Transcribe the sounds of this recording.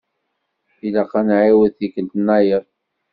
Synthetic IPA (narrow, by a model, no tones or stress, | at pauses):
ilaqːɑnʕiwəðθikənt̪ənːæjəðˤ